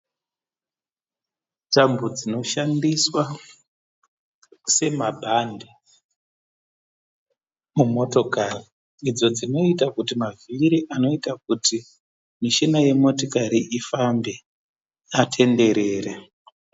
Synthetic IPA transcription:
dambud͡zino̞ʃandiswa | se̞mabʱande | mumo̞to̞kari | id͡zo̞d͡zino̞itakutimaviɾiʔano̞itak̚uti | miʃinaje̞mo̞tokaɾiʔifambe | atʰe̞nde̞ɾe̞ːre

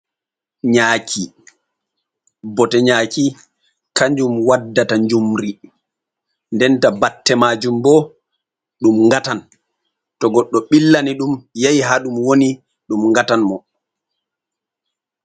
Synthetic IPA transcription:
ɲaːkʰi | bɔtɛɲaːki | kaɲd͡ʒumwadːataɲd͡ʒumɾi | ndɛntabatːɛmaːd͡ʒumbɔ | ɗumŋɡatan | tɔɡɔɗːɔɓilːaniɗumjajɦaɗumwoni | ɗumŋɡatanmɔ

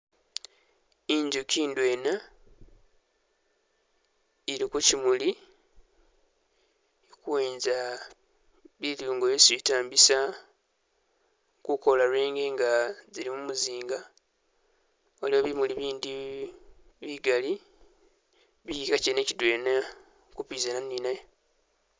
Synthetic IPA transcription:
iɲɟukiːndwe̞ːna | iɾikucimuli | kuweːnza | βiluːŋɡoesiitaːmbisa | kukolaɾweːŋɡe̞ŋɡazilimumuziːŋɡa | oliwoβimuliβiːndi | βiɡali | βiikacene̞cidwena | kupiːzananːinajo

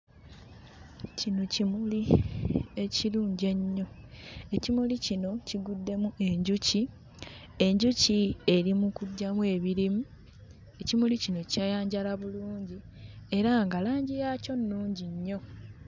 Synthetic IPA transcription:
cinocimuli | e̞ciluːɲɟe̞ɲːo̞e̞cimulicino̞ciɡudːe̞mue̞ɲɟuci | e̞ɲɟucie̞ɾimukuɟːamwe̞βiɾimu | e̞cimulicino̞cajaːɲɟalaβuluːɲɟi | e̞ɾaŋɡalaːɲɟijaːco̞nːuːɲɟiɲːo̞

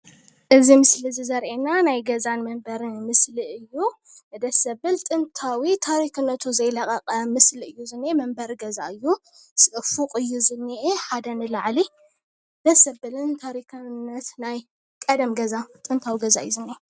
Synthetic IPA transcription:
ʔɨzimɨslizizɐɾʔenanajɡɐzanmɐmbɐɾɨnmɨsliʔɨjːu | nɨd̪ɐsɐbɨlt̪ʼɨnt̪ʰawit̪ʰaɾikʰɨnːɐt̪ʰuzɐjlɐkʼɐqʼɐmɨsliɨjːuzɨnːemɐmbɐɾɡɐza̰ɨjːu | sɨʔɨfuqʼɨjːuzɨnːiʔeħad̪ɐnɨlaʕli | d̪̥ɐsɐbɨlɨnt̪ʰaɾikʰɨnːɐt̪naj | kʼɐd̪ɐmɡɐzat̪ʼɨnt̪ʰawiɡɐza̰ɨ̰jːuzɨnːe

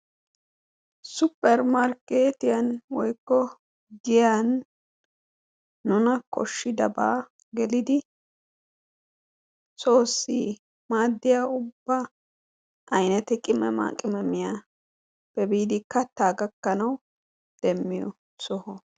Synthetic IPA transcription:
sʊpʼːɛɾmaɾkːeːt̪ɪjɐnwɔjkːɔ | ɡɪjan | ʊnɐkɔ̰ʃːɪd̪ɐba̰ː | ɡɛlɪd̪ɪ | so̞ːsːiː | maːd̪ːɪjaːʊbːɐ | ʔɐjnɐt̪ɛkʼɪmɛ̰ma̰ːkʼɪmɛmɪjaː | b̥ɛbiːd̪ɪkɐt̪ːaːɡɐkːɐnɐw | d̪̥ɛmːɪjɔ̰ | sɔhɔ

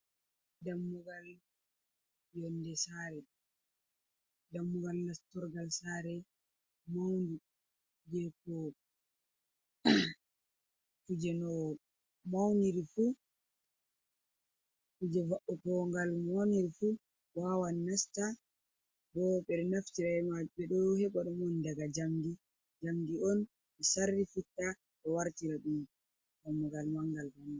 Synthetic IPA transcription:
damːuɡal | jɔndɛsaːɾɛ | damːuɡalnastɔɾɡalsaːɾɛ | mawndu | d͡ʒɛkɔ | kud͡ʒɛnɔ | mawniɾifu | kud͡ʒɛvaɓɔkɔŋɡalmoniɾifu | wawanːasta | dɔɓɛɗɔnaftiɾamaɓɛɗɔjɔhɛɓaɗɔmɔndaɡad͡ʒamdi | d͡ʒamdiɔn | mɛsarːifutːa | ɗɔwaɾtiɾaɗum | ɡamːɔɡalmaŋɡalhan

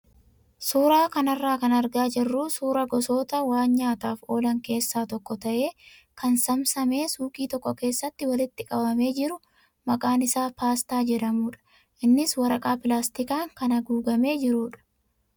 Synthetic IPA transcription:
suːɾaːkɐnɐrːaːkɐnɐɾɡaːd͡ʒɪrːuːsuːɾɐɡɔso̞ːt̪ɐwaːnɲaːt̪aːfo̞ːlɐŋke̞ːsːaːt̪ɔkːɔt̪ɐʔe̞ː | kɐnsɐmsɐme̞ːsuːkʼiːt̪ɔkːɔke̞ːsːɐt̪ːɪwɐlɪt̪ːɪkʼɐbɐme̞ːd͡ʒɪɾʊ | mɐkʼaːnɪsaːpaːst̪aːd͡ʒɛɾɐmuːᶑɐ̥ | ʔɪnːɪswɐɾɐkʼaːpɪlaːst̪ɪkaːŋkɐnɐɡuːɡɐme̞ːd͡ʒɪɾuːᶑɐ̥

